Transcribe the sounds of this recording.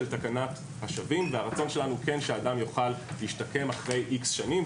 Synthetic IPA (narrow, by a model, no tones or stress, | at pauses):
ltakanat | haʃavimveaʁat͡so̞nʃe̞lanuke̞nʃeaːdamjoχalhiʃtake̞maχʁe̞jʔiksʃanim